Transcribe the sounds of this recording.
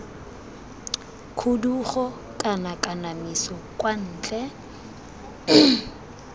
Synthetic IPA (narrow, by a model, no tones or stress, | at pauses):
kʰuduχɔ | kʼanakʼanamisɔkʼwan̩ːt͡ɬʼɛ